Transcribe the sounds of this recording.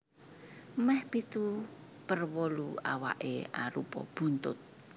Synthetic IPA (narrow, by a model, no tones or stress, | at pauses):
mɛhpit̪u | pərwolua̰wa̰ʔḛa̰ɾupɔ̰b̥unt̪ʊt̪̚